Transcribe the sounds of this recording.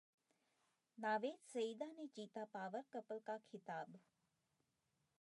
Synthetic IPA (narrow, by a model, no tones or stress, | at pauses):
naːʋeːd̪səid̪aːnet͡ʃiːt̪apaːʋəɾkəpəlkakʰɪt̪aːb